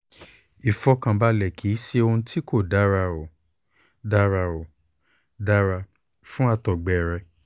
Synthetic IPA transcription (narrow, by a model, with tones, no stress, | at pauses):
i˨fɔ˧˦kã˧ba˧lɛ˨kʰi˨˦ʃe˧õ˧˦tʰi˦ko˦˨da˨˦ɾa˧ɔ˨ | da˦ɾa˧o˨ | da˦ɾa˧ | fũ˦a˧tɔ˨ɡ͡bɛ˨ɾɛ˧˦